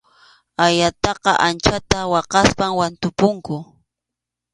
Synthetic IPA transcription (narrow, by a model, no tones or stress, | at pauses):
ajat̪ɑqɑʔant͡ʃat̪awɑqɑspamwant̪ʊpʊŋkʊ